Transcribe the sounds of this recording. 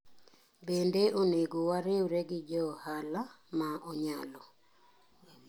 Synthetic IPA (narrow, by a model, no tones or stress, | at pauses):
bendeʔoneɡowaɾɪoɾeɡɪd͡ʒɔhalamaʔɔɲalɔ